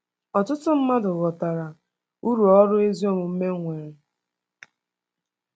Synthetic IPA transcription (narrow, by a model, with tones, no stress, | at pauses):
ɔ˨tʊ˦tʊ˦m̩˦ma˦dʊ˨ɣɔ˨ta˨ɾa˨ | u˦ɾu˨ɔ˦ɾʊ˦e˦zi˦o˦mʊ˨m̩˦me˦ŋʷe˨ɾe˨